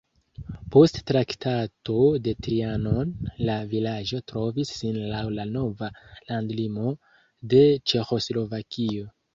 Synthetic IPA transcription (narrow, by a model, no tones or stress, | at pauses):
po̞stːɾaktato̞de̞tɾiano̞nlavilad͡ʒo̞tɾo̞visːinlawlano̞valandlimo̞ | de̞t͡ʃe̞xo̞slo̞vakio̞